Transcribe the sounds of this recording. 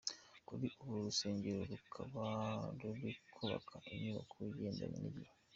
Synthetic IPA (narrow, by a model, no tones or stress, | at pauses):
kuβiʔoβoɾuseːɲɟeɾoɾukʰaβaɾuβikʰoβa̰kʰaʔeɲuβakwiɟeːnda̰mḭniɾi